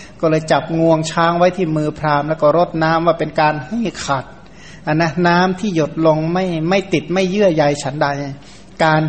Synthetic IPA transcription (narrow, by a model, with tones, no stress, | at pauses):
kɔː˥˩lɤː˧jt͡ɕa˨˩p̚ŋu˧əŋt͡ɕʰaː˦˥ŋwa˦˥jt̪ʰiː˥˩mɯː˧pʰɾaː˧mlɛ˦˥˩wkɔː˥˩ɾo˦˥t̪̚naː˦˥mwaː˧˩pe˧nkaː˧nhi˥˩kʰa˨˩t̪̚ | ʔa˧˩nːa˦˥naː˦˥mt̪ʰiː˥˩jo˨˩t̪̚lo˧ŋma˥˩jma˥˩jt̪i˨˩t̪̚ma˥˩jːɯ˥˩əja˧jt͡ɕʰa˦˥ndaː˧˩ja˧˩ | kaː˧n